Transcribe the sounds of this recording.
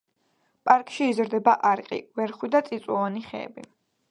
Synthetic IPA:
pʼaɾkʼʃiːzɾd̪ɛbaʔaɾqʼḭvɛɾχwid̪at̪sʼit̪sʼwɔvaniχɛ̰ːbi

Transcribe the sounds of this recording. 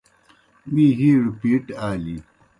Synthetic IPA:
wiːɦiːɾipiːʈaːli

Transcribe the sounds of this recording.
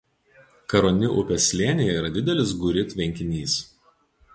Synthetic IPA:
kɐɾonʲɪʔʊpʲɛsʲlʲeːnʲɪjɛiːɾɐd̪ʲɪd̪ʲɛlʲɪsɡʊɾʲɪt̪ʲʋʲɛŋʲkʲɪnʲiːs

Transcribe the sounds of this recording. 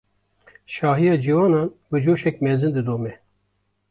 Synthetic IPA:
ʃɑːɦijɑːd͡ʒivɑːnɑːnbɨd͡ʒoːʃɛk̚mɛzɨnd̪ɨd̪oːmɛ

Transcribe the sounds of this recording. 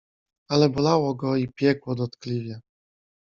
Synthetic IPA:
alɛbɔlawɔɡɔipʲjɛkwɔd̪ɔt̪klʲivʲjɛ

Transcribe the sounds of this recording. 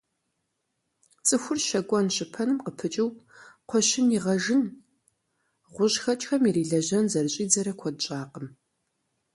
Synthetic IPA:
t͡sʼɨxʷʊrʃɐɡʷʼɔnɕɪpʰɐnɨmqəpʰɨt͡ʃʼɪwqʷʰɔʃɪniʁɐʒɨn | ʁʷʊʑxɐt͡ʃʼxɐmiriːɮɐʑɐnzɐrɨɕʼiːd͡zɐɾɐkʷʰɔdɕʼaːqʼəm

